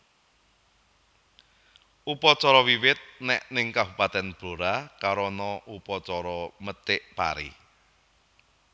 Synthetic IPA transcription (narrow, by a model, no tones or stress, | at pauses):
ʔupɔt͡ʃɔɾɔwiwɪt̪̚nɛʔnɪŋkabupat̪ɛnb̥o̤ɾakaɾɔnɔʔupɔt͡ʃɔɾɔmət̪ɪʔpa̰ɾḭ